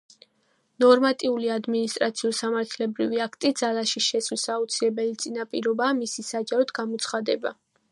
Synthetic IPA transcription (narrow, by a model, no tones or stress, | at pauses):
nɔɾmat̪ʼiuliad̪minist̪ʼɾat̪sʰiɔsamaɾt̪ʰlɛbɾiviakʰt̪ʼid̪zalaʃiʃɛslisaut̪sʰilɛbɛlit̪sʼinapʼiɾɔbaːmisisad͡ʒaɾɔd̪ɡamɔt̪sʰχad̪ɛba̰